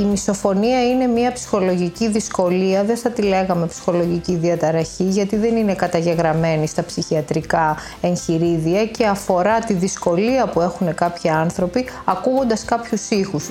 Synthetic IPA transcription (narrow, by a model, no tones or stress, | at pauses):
imiso̞fo̞niɐine̞miɐpsi̥xo̞lo̞ʝiciðisko̞liɐðeθɐt̪ile̞ɣɐme̞psi̥xo̞lo̞ʝiciðiɐt̪ɐɾɐçiʝɐt̪iðe̞nine̞kɐt̪ɐʝe̞ɣɾɐme̞nist̪ɐpsiçiɐt̪ɾikɐ | e̞nçiɾiðiɐce̞ɐfo̞ɾɐt̪iðisko̞liɐpue̞xune̞kɐpçiɐnθɾo̞piɐkuɣo̞nd̪ɐskɐpçusixus